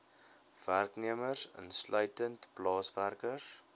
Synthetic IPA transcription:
værkniəmərsə̰nslœɥtəntplɑːsværkəs

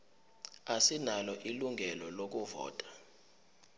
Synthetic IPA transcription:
asinalɔʔiluŋɡʱɛlɔlok̬uvɔ̰ːtʼḁ

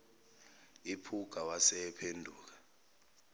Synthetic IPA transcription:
ipʰuɡ̥ʱawasɛpʰendʱuːk̬ḁ

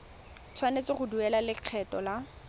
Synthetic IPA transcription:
t͡sʰwanet͡sɪχʊduɛlalɪq͡χʰɛtʼɔla

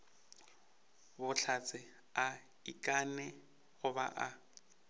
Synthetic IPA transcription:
bʊɬʰat͡sʼɪ | a | ikʼanɛ | ɣʊba̰ʔa

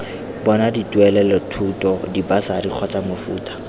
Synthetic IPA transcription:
bɔnaditwɛlɛlɔtʰutɔdibasadiq͡χʰɔt͡samofṵːtʼḁ

